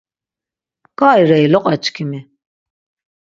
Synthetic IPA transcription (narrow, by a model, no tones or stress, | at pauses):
kaːjɾɛilɔqʼat͡ʃkʰimi